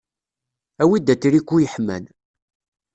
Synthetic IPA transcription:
æwid̪æt͡sːɾikːujəħmæ̰n

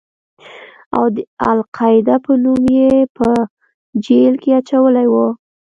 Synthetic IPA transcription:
a̰wd̪əalqʰɑjɪd̪apənumjepə | d͡ʒelkeat͡ʃawəlajwo

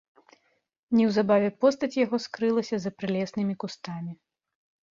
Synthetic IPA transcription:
nʲiwzabavʲɛpɔst̪ɐt͡sʲjaɣɔskɾɨlˠɐsʲɐzɐpɾɨlʲɛsnɨmʲikust̪amʲi

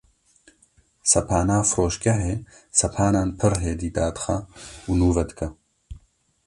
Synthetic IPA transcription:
sɐpʰaːnaːfɾoːʃkɐɦeːsɐpʰaːnaːnpʰɨɾɦeːd̪iːd̪aːd̪ɨ̥xɐunuːvɐd̪ɨkɐ

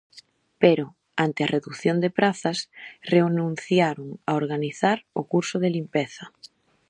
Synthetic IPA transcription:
peɾo | ant̪ɪɐreðuθjond̪epɾaθɐsreonũn̟θjaɾʊŋaoɾɣaniθaɾʊkuɾsʊðelimpeθɐ

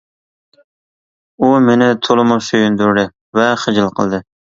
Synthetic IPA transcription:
umenɪt̪ʰolˠɨmʊʃøjynd̪ɾd̪ɪ | vɛχəd͡ʒɪlˠqʰəlˠd̪ɨ

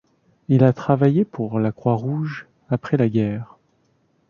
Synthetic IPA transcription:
ilat̪χavajepʰuʁlakχwaʁuʒ | apχɛlaɡʲɛːʁ

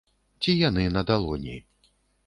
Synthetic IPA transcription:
t͡sʲijanɨnɐd̪alˠɔnʲḭ

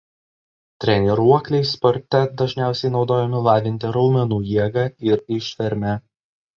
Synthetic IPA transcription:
t̪ʲɾʲɛnʲɛɾuɔklʲɛɪspɔɾʲt̪ʲɛd̪ɐʒʲnʲæˑʊsʲɛɪnɒʊd̪oːjɛmʲɪlˠɑːʋʲɪnʲt̪ʲɪɾɒʊmʲɛnuːjiɛɡɑːɪɾɪʃʲʋʲɛɾʲmʲɛ

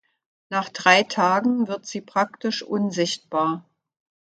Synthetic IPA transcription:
naːχd̥ʁaɪtʰaːɡŋ̩vɪɐtz̥iːpʁ̥aktɪʃʔʊnzɪçt̚b̥aːɐ

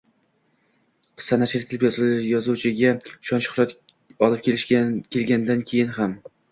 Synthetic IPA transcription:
qʰɨ̥sːanat͡ʃʰlɪkt̪ʰɪlɪpjɒzjɒzut͡ʃʰɪɡʲaʃɒnʃʊ̥χɾɒt̪ | ɒlˠɪp̚kʲʰelɪʃʲkʲʰe̞lɡʲand̪ankʲʰe̞jɪnham

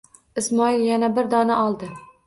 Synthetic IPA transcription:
ɪsmɒɪlˠjanabɪɾd̪ɒnaʔɒlˠd̪ɪ

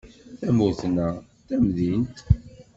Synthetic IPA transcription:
θæmʊθnæ | θæmðint̪

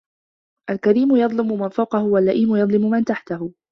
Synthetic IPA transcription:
ʔalkaɾiːmʊjɑd̪ˤlɪmʊmanfawqɑhʊwalːaʔiːmʊjɑd̪ˤlɪmʊmant̪aħt̪ahʊ

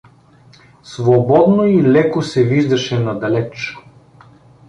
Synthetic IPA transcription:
svobɔd̪noilɛkosɛviʒd̪ɐʃɛnad̪ɐlɛt͡ʃ

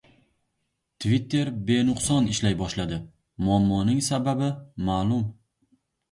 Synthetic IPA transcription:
t̪ʰvit̪ʰːe̞ɾbe̞nʊqsɒnɪʃlajbɒʃlad̪ɪ | mʊamːɒnɪŋsababɪmaːlˠʊm

